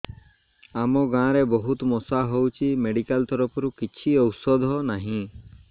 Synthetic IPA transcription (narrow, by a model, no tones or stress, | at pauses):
amɔɡãɾebɔɦut̪mɔsaɦowt͡ʃʰimeɖikalt̪ɔɾɔpʰɔɾukit͡ʃʰiɔwsɔd̪ʱɔnaɦĩ